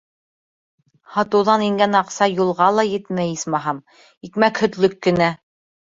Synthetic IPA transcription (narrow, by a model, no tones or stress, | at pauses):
hɑt̪ɤ̆wðɑniŋɡænɑqsɑjulˠʁɑlˠɑjɘ̆t̪mæjɘsmɑɦɑm | ikmækhɵ̆t̪lɵkːɘ̆næ